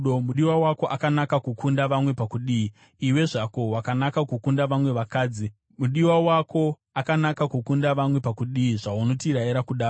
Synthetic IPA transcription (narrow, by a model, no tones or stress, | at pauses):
omuɗiwawako̞ʔakanakakukundaʋamwe̞pakuɗiːi | iwe̞ʐako̞wakanakakukundaʋamwe̞ʋakaːd͡zi | muɗiwawakʰo̞ | akanakakukundaʋamwe̞pakuɗiiʐauno̞tiɾaiɾakuɗaː